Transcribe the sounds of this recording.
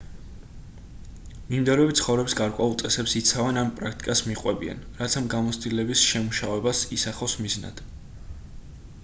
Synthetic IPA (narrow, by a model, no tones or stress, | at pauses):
mimd̪ɛɾɛbit̪sχɔvɾɛbsɡaɾkʼwɛulˠt̪sʼɛsɛpsit̪sʰavɛnampʼɾakʰt̪ʼikʼasmiqʼwɛbia̰nɾat̪sʰamɡamɔt̪sʰt̪ʼilɛbisʃɛmuʃavɛbasisaχɔsmizna̰d̪̥